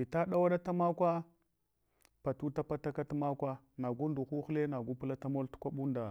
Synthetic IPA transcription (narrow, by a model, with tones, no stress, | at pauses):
i˨ta˦ɗa˦wa˦ɗa˦ta˦ma˦kʷa˦ | pa˨tu˦ta˦pa˦ta˦ka˦tma˦kʷa˦ | na˨ɡu˦ndu˨xu˦xle˦na˨ɡu˦pu˦la˦ta˦mo˦ltu̥˦kʷa˦ɓu˦nda˨